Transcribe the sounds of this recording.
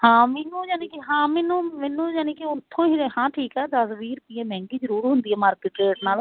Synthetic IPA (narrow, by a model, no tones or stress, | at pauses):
hãːmɛːnũːd͡ʒaːniːkiɦãːmɛːnũːmɛːnũːjaːnikiʊt̪ʰːõːɦiehãːʈʰiːkɛːd̪əsʋiːɾpiːɛ̃ːmɛ̃ːŋɡiːd͡ʒəɾuːɾɦʊnd̪iːɛːmaːɾkeːʈeːʈnaːl